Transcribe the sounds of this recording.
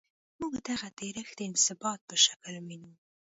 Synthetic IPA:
muɡd̪aɣat̪eɾəxd̪əɪnsɪbɑt̪̚pəʃḁkəlminu

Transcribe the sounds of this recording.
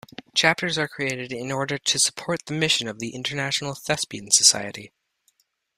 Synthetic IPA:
t͡ʃʰæp̚tə˞zə˞kʰɹ̥ieɪɾɨɾɪ̃nɔɹɾə˞ɾɨsə̥pʰɔɹt̪̚ðɨmɪʃɨ̃nʌvðiʔɪ̃ntə˞næʃn̩l̩ˠθɛspiɨ̃nsəsa̰ɪɨɾi

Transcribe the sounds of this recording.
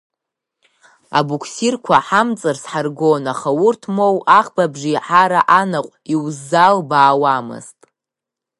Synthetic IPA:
a̰bukʷʰsirkʷʰaħamt͡sʼɨrsħarɡonaχawurtʰmo̞wʔaχbabʐiħaɾaʔanaqʷʼiwzːalbaːwamɨ̰ztʼ

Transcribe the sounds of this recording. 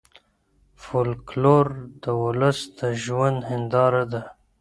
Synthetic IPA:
folkloɾd̪əwʊləsd̪aʒwand̪ɦɪnd̪ɑɾad̪a

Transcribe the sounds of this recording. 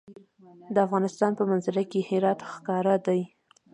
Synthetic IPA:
d̪əafɣɑnɪst̪ɑnpəmanzaɾakehɪɾɑt̪xkɑɾad̪aj

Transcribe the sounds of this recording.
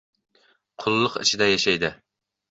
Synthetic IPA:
qʰʊlˠːʊqɪ̰t͡ʃʰɪd̪ɛjɛʃɛjd̪ɪ

